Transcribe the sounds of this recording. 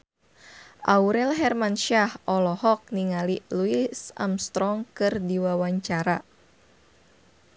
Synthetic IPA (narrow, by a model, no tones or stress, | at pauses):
ʔauɾɛlɦɛrmanʃahʔɔlɔhɔk̚niŋaliluisa̰mst̪ɾɔŋkɨrdiwawaɲt͡ʃaɾa